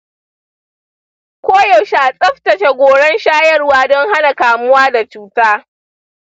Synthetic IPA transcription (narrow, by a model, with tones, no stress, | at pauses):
kʷoː˦jɔ˨wʃaː˨sʼɐ˦ɸtɐ˨ʃe˨ɡʷoː˨ɽɛ˦nʃaː˦jɐ˦rwaː˦dɔ˦ŋɦa˦na˨kaː˨mʊ˦waː˦da˨t͡ʃuː˦taː˦